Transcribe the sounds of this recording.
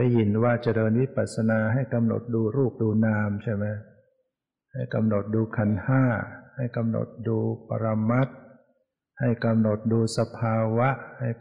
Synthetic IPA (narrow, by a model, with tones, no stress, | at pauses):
a˥˩ji˨˩˦nwaː˥˩t͡ɕa˧dɤː˧nwi˦˥paː˨˩t̪̚sa˧naː˧ɦa˥˩jka˧mno̰˨˩t̪̚duː˧ɾuː˥˩p̚duː˧naː˧mt͡ɕʰa˥˩jma˦˥j | ha˥˩jka˧mno˨˩t̪̚duː˧kʰa˧nhaː˥˩ha˥˩jka˧mno̰˨˩t̪̚duː˧pa̰˧ɾa˧mːa˦˥t̪̚ | ha˥˩jka˧mno˨˩t̪̚duː˧sa˧pʰaː˧wa˦˥ʔha˥˩j